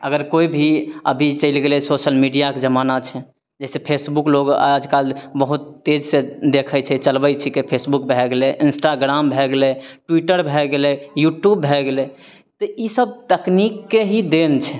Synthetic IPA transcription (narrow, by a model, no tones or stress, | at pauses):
ə̰ɡəɾkoibʱiəbʱit͡ʃəɪlɡelɛsoʃəlmiɖijaked͡ʒəmanat͡ʃʰɛ | d͡ʒɛsepʰesbukloɡa̰d͡ʒkalbəɦut̪ːed͡ʒsed̪ekʰɛt͡ʃʰɛt͡ʃəlbət͡ʃʰikepʰesbukbʱɛɡeleʔinsʈaɡɾambʱɛɡleʈwiʈəɾbʱɛɡelejuʈjubːʱɛɡele | t̪ɔisəb̚t̪əknikːeɦid̪ent͡ʃʰɛ